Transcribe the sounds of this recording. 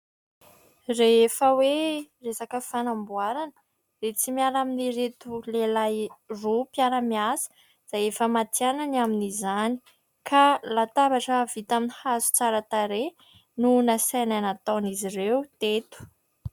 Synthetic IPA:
refəweresakəfanambuaɾanə | ret͡simialaminiɾet̪ulelajropjaɾəmiasə̥ | z̥ajefəmat̪iananaminizani̥ | kʰalat̪abaʈ͡ʂəvit̪aminihazu̥t͡saɾat̪aɾe | nunasajnanat̪anizirewt̪et̪u̥

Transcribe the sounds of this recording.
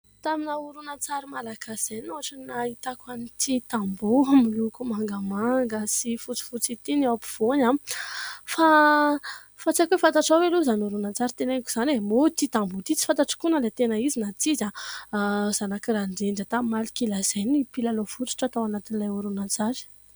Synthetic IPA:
t̪aminauɾunat͡saɾimalakaz̥ajnuaʈ͡ʂənait̪akanit̪ʰit̪ambumilukumaŋɡəmaŋɡəsifut͡si̥fut͡sit̪iniawpi̥v̥oɲa | fa | fat͡sakefant̪aʈ͡ʂaweluzanuɾunat͡saɾit̪enaku̥z̥anemot̪it̪ambut̪it͡si̥fant̪aʈ͡ʂḁkunəlat̪enaizinat͡siza | z̥anakiraɳɖ͡ʐeɳɖ͡ʐət̪amimalikilaz̥ajnipilalofut͡s̪u̥ʈ͡ʂat̪awanat̪inilajuɾunat͡saɾi̥

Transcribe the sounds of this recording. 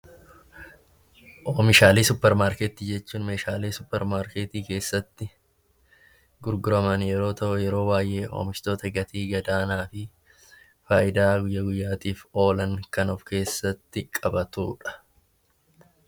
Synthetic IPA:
ʔoːmɪʃaːleːsʊpːɛɾmaːɾkeːt̪iːd͡ʒɛt͡ʃːuːnme̞ːʃaːleːsʊpːɛɾmaːɾkeːt̪iːke̞ːsːɐt̪ːɪ | ɡʊɾɡʊɾɐmɐnjɛɾo̞ːt̪ɐʔʊjɛɾo̞ːbaːjʔe̞ːʔo̰ːmɪʃt̪o̞ːt̪ɐɡɐt̪ʰiːɡɐd̪aːnaːfɪ | faːʔɪd̪aːɡʊjːɐɡʊjːaːt̪iːfo̞ːlɐŋkɐnɔfke̞ːsːɐt̪ːɪkʼɐbɐt̪ṵːᶑɐ̥

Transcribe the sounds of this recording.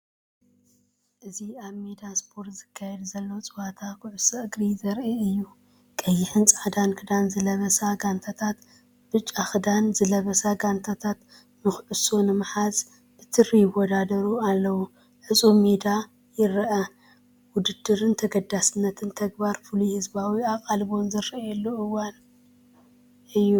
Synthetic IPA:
ʔɨziaβmed̪aspʰo̞ɾt̪zɨkʰːajɛd̪zɐlːot͡sʼɨwat̪ʰakʰʊʕʊsɨɨɡɾizɐɾʔiɨjːu | kʼɐjːɪħɨnt͡sʼaʕd̪ankʰɨd̪anzɨlɐβɐsaɡant̪ʰat̪ʰat̪ | b̥ɨt͡ʃʼːaxɨd̪anzɨlɐβɐsaɡant̪ʰat̪ʰat̪ | mɨxʕɨso̞nɨmɨħaz | ʔɨt̪ʰɨrijɪwɔd̪ad̪ɐɾualːɐwu | ħɨt͡sʼumed̪a | jɪɾɐʔɐ | wʊd̪ɨd̪ɨɾɨnt̪ʰɐɡɐd̪ːasɨnːɐt̪ʰɨnt̪ʰɐɡ̚baɾfuluhɨzbawiakʼalbo̞nzɨɾjɛlːoɨwan | ʔɨjːu

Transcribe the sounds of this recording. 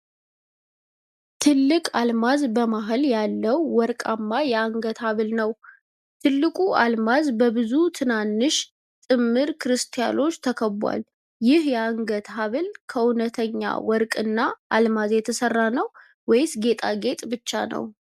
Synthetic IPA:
t̪ʰɨlːɨkʼalmazbəmaɦɨljalːəwːɔɾkʼamːajɛaŋɡət̪haβɨlnəw | t̪ʰɨlːɨkʼuʔalmazbəbɨzut̪ʰɨnanːɨʃ | t̪ʼɨmːɨɾkʰɨɾɨst̪ʰija̰no̞t͡ʃːt̪ʰəkʰəbwa̰l | jɪhjɛaŋɡət̪aβɨlkʰəunət̪ʰəɲːa̰wɔɾkʼɨnːaʔalmazjɛt̪ʰəsərːanəw | wɔjɪsɡe̞t̪ʼaɡe̞t̪ʼbɨt͡ʃːa̰nə̰w

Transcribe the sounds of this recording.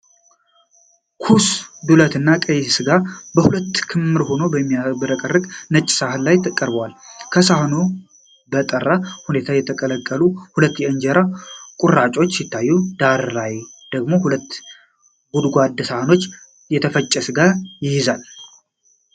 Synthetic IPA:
kʰusd̪ulət̪ɨnːakʼəjsɨɡabəhulət̪ːkʰɨmːɨɾho̞no̞bəmːijabəɾəkʼərːɨɡʼnət͡ʃʼːɪ̥sahɨnlajt̪ʰkʼəɾbwalkʰəsahno̞ | bət̪ʼərːahune̞t̪ʰajɛt̪ʰəkʼələkʼːəluhulət̪ːjɛɨnd͡ʒɛɾakʼurat͡ʃʼo̞t͡ʃːsɪt̪ʰːajːud̪aɾːajd̪̥əɡmo̞hulət̪ː | ɡud̪ɡʷad̪sahno̞t͡ʃː | jɛt̪ʰəfət͡ʃʼːɛsɨɡajɪhɪzal

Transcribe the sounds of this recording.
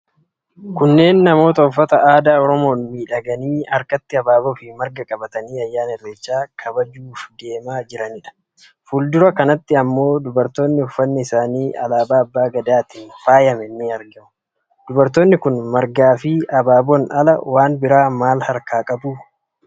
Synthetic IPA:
kʊnːe̞ːnːɐmo̞ːt̪ɐʊfːɐt̪ɐaːd̪aːɔɾɔmo̞ːnmiːᶑɐɡɐniːɐɾkɐt̪ːɪɐbaːbofɪmɐɾɡɐkʼɐbɐt̪ɐniːɐjːaːnɛrːeːt͡ʃːaːkʰɐbɐd͡ʒuːfd̪e̞ːmaːd͡ʒɪɾɐnɪᶑɐ̥ | fʊld̪ʊɾɐkɐnɐt̪ːɪɐmːo̞ːd̪ʊbɐɾt̪o̞ːnːɪʊfːɐnːɪɪsaːniːʔɐ̰laːbaːɐbːaːɡɐd̪aːt̪infaːjɐmɛnːɪɐɾɡɐmʊ̥ | d̪̥ʊbɐɾt̪o̞ːnːɪkʊnmɐɾɡaːfɪʔɐbaːbɔnɐlɐ̰waːnbɪɾaːmaːlhɐɾkaːkʼɐbuː

